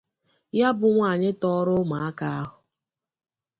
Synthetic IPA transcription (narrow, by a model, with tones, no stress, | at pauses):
ja˦bʊ˨ŋʷa˦˨ɲɪ˦tɔ˦ɾʊ˦ma˨a˦ka˦a˦ɦʊ˨